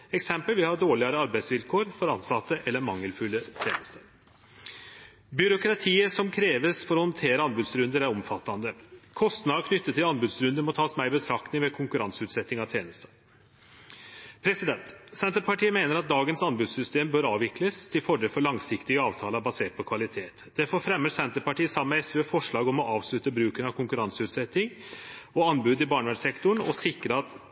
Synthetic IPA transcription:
ɛksɛmpəlʋɪhɑɖoːɭɪɑɾəɑɾbæɪsʋɪlkʰoːɾfɔɾɑnsɑt̪ːəʔɛlːəɾmɑŋːəlfʉlːət̪ʰjḛːnəst̪ʰə | bʏɾʊkɾɑt̪ʰiːəsɔmkʰɾeːʋəsfɔɾɔhɔnt̪ʰeːɾəɑnbʉd̪sɾʉnd̪əɾæɾɔmfɑt̪ːɑnd̪əkʰɔst̪nɑd̪kʰnʏt̪ːət̪ʰːɪlɑnbʉd̪sɾʉnd̪əmɔt̪ʰɑːsmæɪɪbət̪ʰɾɑkt̪ɪŋʋɛkʰʊŋkʉɾɑnsʉːt̪sɛt̪nɪŋɑʋt̪ʰjeːnəst̪ə | pʰɾɛsɪd̪ɛnt̪sɛnt̪əɾpʰɑʈiːəmeːnəɾɑt̪̚d̪ɑːɡənsɑnbʉːd̪sʏst̪eːmbøːɾɑːʋɪkləst̪ʰɪlfɔɖeːlfɔɭɑŋsɪkt̪ɪəɑːʋt̪ʰɑːləbɑseːʈ̚pɔkʰʋɑlɪt̪ʰeːt̪d̪̥ɛfɔɾfɾɛmːəsɛnt̪əpɑʈʰiːəsɑmːɛɛsʋeːfɔʂɭɑːɡɔmɔʔɑːʋslʉt̪əbɾʉːkənɑʋkʰʊŋkʉɾɑnsəʉːt̪sɛt̪ːɪŋɔɑnbʉːd̪ɪbɑːɳʋæʂsɛkt̪ʊɳɔsɪkɾəɑt̪

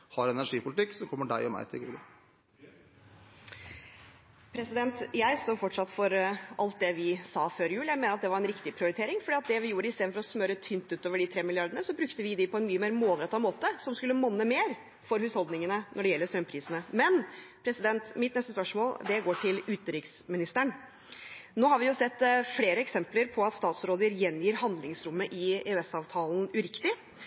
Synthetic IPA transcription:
hɑɾɛnæʂiːpʰʊlɪt̪ɪkːsɔmkʰɔmːəɖæ̰ɪɔmæ̰ɪt̪ʰɪlɡṵːlɑ̰ | pʰɾɛsɪd̪ɛnt̪jæɪst̪oːɾfɔʈʂɑt̪ːfɔɾʔɑlt̪̚d̪ɛʋɪsɑːføːɾɪjʉːljæɪmeːnəɾɑt̪d̪ɛʋɑɾɛnɾɪkt̪ɪpʰɾɪʊɾɪt̪ʰeːɾɪŋfɔɖiːɑt̪̚d̪ɛʋɪjuːɾəɪsteːd̪fɔɾɔsmœɾət̪ʰʏnt̪ʉːt̪oːʋəɖɪt̪ʰɾeːmɪlɪɑɾdɖəɳəsɔbɾʉkt̪əʋɪd̪ɪpʰɔɛnmyːəmeːɾmoːlɾɛt̪ːɑmoːt̪əsɔmskʉlːəmɔnːəmeːɾ | fɔɾhʉːshɔld̪nɪŋənənʔɔɖɛjɛlːəst̪ɾœmpʰɾiːsənəmɛnpʰɾɛsɪd̪ɛnt̪mɪt̪nɛst̪əspœʂmoːld̪ɛɡoːʈʰɪlʉːt̪əɾɪksmɪnɪst̪əɳ | noːhɑɾʋɪjʊsɛt̪ːfleːɾəɛksɛmpləɾpʰɔɑt̪st̪ɑːt̪sɾoːd̪əɾjɛnjiːɾɦɑnd̪lɪŋsɾʊmːəʔɪɛʉɛsɑːʋt̪ʰɑːlnʉɾɪkt̪ɪ

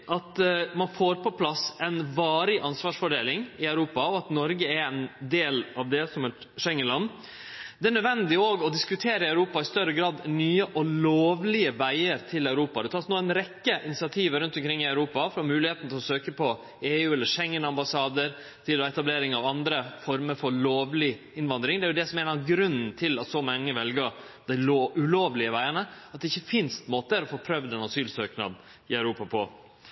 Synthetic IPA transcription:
ʔɑt̪mɑnfoːɾpʰɔpʰlɑsɛnʋɑːɾɪʔɑnsʋɑːʂfɔɖeːlɪŋɪœʉɾuːpɑɔɑt̪nɔɾɡəɛɾɛnd̪eːlɑʋd̪ɛsɔmhɛt̪ | ʂɛŋːənlɑnː | d̪ɛæɳœd̪ʋɛnd̪ɪoːɡɔd̪ɪskʉt̪ʰeːɾəɑʉɾuːpɑɪst̪œɾəɡɾɑːd̪nyːəʔɔloːʋlɪəʋæɪəɾt̪ʰɪlɑʉɾuːpɑd̪ɛt̪ʰɑːsnoːæɪnɾɛkːəʔɪnɪsɪɑt̪ʰiːʋəɾʉnt̪ɔmkʰɾɪŋːɪæʉɾuːpɑfɾɑmʉːlɪheːt̪n̩t̪ʰɪlɔsøːkəpʰɔ | eːʉːɛlːəʂɛŋːənɑmbɑsɑːd̪əɾ | t̪ʰɪlɔɛt̪ɑbleːɾɪŋɑʋɑnd̪ɾəfɔɾməɾfɔɾɭoːʋlɪ | ɪnʋɑnd̪ɾɪŋd̪ɛæɾjʊd̪ɛsɔmɛɛnɑʋɡɾʉnːn̩t̪ʰɪlɑt̪sɔmɑŋːəʋɛlɡə | d̪æɪloʉloːʋlɪəʋæɪəɳəɑt̪̚d̪ɛɪçːəfɪnst̪moːt̪əæɾɔfoːpʰɾœʋd̪ɛnɑsyːlsøːknɑ̰d̪ | ɪœʉɾuːpɑpʰɔ

